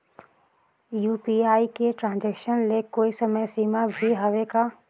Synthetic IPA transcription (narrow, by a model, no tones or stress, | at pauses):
juːpiːaːikeʈɾãːnd͡ʒɛːkʃənlekoːisɐməjsiːmabʱiɦɐʋeka